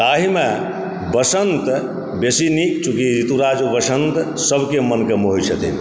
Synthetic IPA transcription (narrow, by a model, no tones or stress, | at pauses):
aɦime | bəsənt̪ | besinikt͡ʃukiɾit̪uɾad͡ʒubəsənt̪səbʱkemənkemoɦijt͡ʃʰət̪ʰḭ